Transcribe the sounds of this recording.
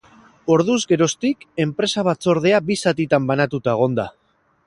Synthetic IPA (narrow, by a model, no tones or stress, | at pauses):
o̞ɾðuzɡe̞ɾo̞st̪ike̞mpɾe̞saβ̞at͡so̞ɾð̞e̞abisat̪it̪ambanat̪ut̪ae̞ɣ̞o̞nd̪a